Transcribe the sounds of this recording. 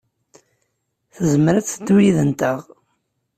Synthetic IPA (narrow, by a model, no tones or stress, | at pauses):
θəzəmɾæt͡sːəd̪wiðənt̪əʁ